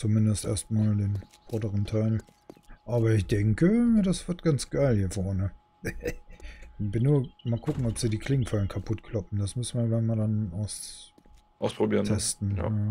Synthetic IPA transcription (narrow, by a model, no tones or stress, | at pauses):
t͡sumɪndəstʔḛːɐstmaːldeːnfʁɔdəʁəntʰaɪl | ʔaːbɐɪçd̥ɛŋkədasv̥ɪɐtɡ̥ant͡sɡ̥aɪlhiːɐfɔɐnə | bɪnːuːɐmaːlkʰʊkŋ̩ɔpz̥iːdiːkʰl̥ɪŋfalənkʰapʰʊtkʰl̥ɔpm̩d̥asmʏsn̩vaɡanmadanʔaʊs | ʔaʊspʁ̥obiːʁntʰɛstn̩ja̰a